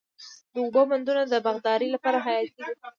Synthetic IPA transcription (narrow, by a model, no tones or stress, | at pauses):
d̪əubəmand̪unad̪əbaɣd̪ɑɾəlapɑɾaɦajɑt̪id̪i